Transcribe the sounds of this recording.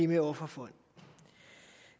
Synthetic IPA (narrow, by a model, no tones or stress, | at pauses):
imɛɔfafɔn